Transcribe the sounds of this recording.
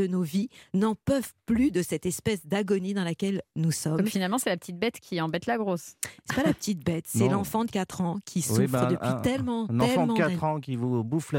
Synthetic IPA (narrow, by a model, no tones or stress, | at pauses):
ənovinɑ̃pœvplyd̪əsɛt̪ɛspɛsd̪aɡɔnid̪ɑ̃lakʲɛlnusɔmfinalmɑ̃sɛlapə̥t̪it̪̚bɛt̪kʲʰiɑ̃bɛt̪laɡʁossɛpalapə̥t̪it̪̚bɛt̪sɛlɑ̃fɑ̃d̪əkʲat̪χɑ̃kʲʰisufʁd̪əpɥit̪ɛlmɑ̃nɑtɛfɑ̃dmɑ̃kaɛχɑ̃kʲivubufl